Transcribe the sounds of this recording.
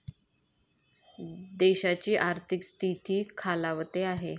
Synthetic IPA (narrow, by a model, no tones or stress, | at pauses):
d̪eɕat͡ɕiːʔaɾt̪ʰikst̪ʰit̪iːkʰalaʋt̪eaɦe